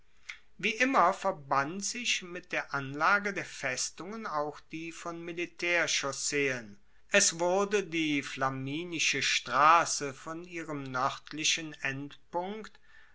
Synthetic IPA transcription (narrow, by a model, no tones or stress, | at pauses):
viːʔɪmɐfɛɐbantz̥ɪçmɪt̚d̥eːɐʔanlaːɡədeːɐfɛstʊŋənaʊxd̥iːfɔnmilitʰɛːɐʃɔseːən | ʔɛsv̥ʊɐdədiːflamiːnɪʃəʃtʁ̥aːsəfɔnʔiːʁəmnœʁtʰlɪʃənʔɛntpʊŋkt